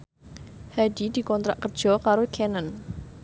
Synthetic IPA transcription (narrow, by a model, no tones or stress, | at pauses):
hadid̪̥i̤kɔnt̪ɾaʔkərd̥ʒ̥ɔ̤kaɾokʰɛnən